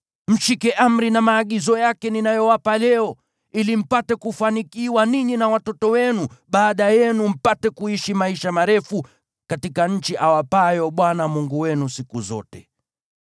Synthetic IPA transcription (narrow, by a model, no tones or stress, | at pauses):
m̩ʃikɛʔam̩ɾinamaːɠizɔjakɛninajɔwapalɛɔ | ilim̩patɛkufanikiwaniɲinawatɔtɔwɛnuɓaːɗajɛnum̩patɛkuiʃimaiʃamaɾɛfu | katikaɲ̩t͡ʃiʔawapajɔɓwanamuŋɡuwɛnusikuzɔ̰tɛ